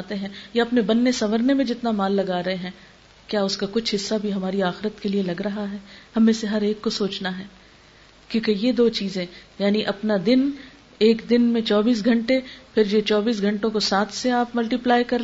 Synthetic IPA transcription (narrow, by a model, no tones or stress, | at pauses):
t̪eɦɛ̃ːjaɐpnebɐnːesɐʋəɾnemẽd͡ʒɪt̪namaːlːɐɡaːɾɐɦeɦɛ̃ː | kjaːʊskakʊt͡ʃʰɦɪsːabʱiɦɐmaːɾiaːxɪɾət̪kelielɐɡɾɐɦaɦɛːhɐmẽseɦɐɾeːkːosoːt͡ʃnaɦɛː | kjõːkejed̪oːt͡ʃiːzẽːjaːniʔɐpnad̪ɪn | eːkd̪ɪnmẽt͡ʃɔːbiːs̬ɡʱɐ̃ɳʈepʰɪɾjet͡ʃɔːbiːs̬ɡʱɐ̃ɳʈõkosaːt̪ʰseaːpmɐlʈiplaːjkɐɾ